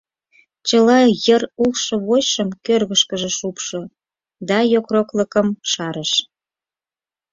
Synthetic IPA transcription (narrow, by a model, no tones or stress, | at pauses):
t͡ɕəlɑjərulʃɤ̆βojʃəmkørɣəʃkəʒĕʃupʃo | d̪ɑjokrokləkəmʃɑɾəʃ